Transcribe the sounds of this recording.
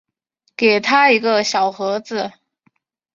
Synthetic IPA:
ke˨˩ɪt̪ʰa˥i˧˥ɡə˧ɕjɑ˨˩ʊxɤ˧˥d͡zɹ̩˥˧

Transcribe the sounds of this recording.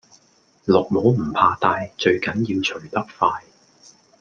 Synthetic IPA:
lɔː˨˩k̚mo˨˥wm̩˨˩pʰaː˧t̪aː˧jt͡ʃɵ˧ɥkɐ˨˥njiː˧wt͡ʃʰɵ˨˩ɥt̪ɐ˥k̚faː˧j

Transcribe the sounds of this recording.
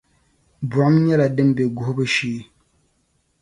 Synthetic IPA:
bmɲɛ˦la˨dɨ˦m˦bɛ˨ɡʊ˨hʊ˦bɨ˦ʃiː˦

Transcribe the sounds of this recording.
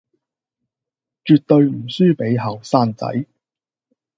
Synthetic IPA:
t͡ʃyː˨˧t̚t̪ɵ˧ɥm̩˨˩syː˥pe˨˥jɦɐ˨wsaː˥nt͡sɐ̰˨˥j

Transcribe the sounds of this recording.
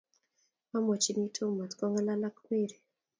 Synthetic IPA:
wa˦mɔ˨t͡ʃi˦mi˦tʰu˦ma˨tkɔ˦ŋɡa˦la˦la˦kmi˦˨ɾi˨

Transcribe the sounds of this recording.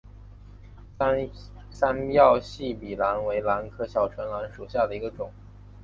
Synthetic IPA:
sa˥njɑ˥˧ʊɕi˥˩pi˨˩la˧˥nwe˧˥ɪla˧˥nkʰɤ˥ɕjɑ˨˩ʊʈ͡ʂʰwə˧˥nla˧˥nʂu˨˩ɕja˥˩d̪ə˩i˧˥ɡə˧ʈ͡ʂʊ˨˩˦

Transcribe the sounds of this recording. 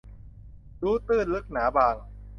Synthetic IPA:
duː˦˥t̪ɯː˥˩lɯ˦˥k̚naː˩˦baː˧ŋ

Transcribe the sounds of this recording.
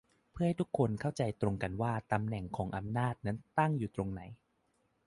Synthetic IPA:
pʰɯ˥˩ha˥˩jt̪ʰu˦˥kʰːo˧nkʰa˥˩wt͡ɕa˧jt̪ɾo˧ŋka˧nwaː˥˩t̪a˧mnɛ˨˩ŋkʰɔː˩˦ŋʔa˧mnaː˥˩t̪̚na˦˥nt̪a˥˩ŋjuː˨˩t̪ɾo˧ŋna˩˦j

